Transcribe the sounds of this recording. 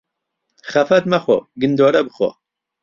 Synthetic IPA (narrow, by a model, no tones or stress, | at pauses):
χɐfɐt̪mɐχo̰ɡɨnd̪oːɾɐbɨχo̰